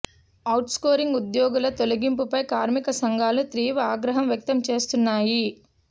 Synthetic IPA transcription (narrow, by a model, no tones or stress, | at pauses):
ɐwʈskoːɾiŋɡud̪jɔːɡulɐt̪o̞luɡimpupɐjkaːɾmikɐsɐŋɡʱaːlut̪ɾiːʋaːɡɾɐɦɐmʋjɐk̚t̪ɐmt͡ʃe̞ːst̪unːaːji